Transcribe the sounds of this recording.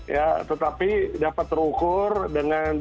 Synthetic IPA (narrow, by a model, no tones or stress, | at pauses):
jat̪ət̪apidapat̪ːəɾukʊrdəŋan